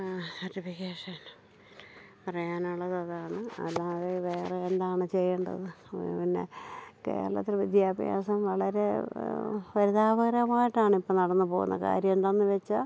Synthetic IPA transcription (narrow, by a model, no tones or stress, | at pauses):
ɐtibiɣeːʂan | pɐrɐjaːnuɭːɐðɐðaːɳɨɐ̰lːaːðeʋeːreend̪aːɳɨt͡ɕe̞jːɐɳɖɐ̰ðɨ | pinːe̞̰kḛːɐɭɐ̰t̪ːirɨʋid̪ʱjaːbʱɐja̰ːsɐmʋɐɭɐɾe̞ | pɐɾiðaːbɐɣɐɾɐmaːjiʈːaːɳɨipːoːnɐɽɐnːɨpo̞ːɣunːɐ̰ka̰ːɾjɐmnt̪ɐnːɨʋet͡ɕːa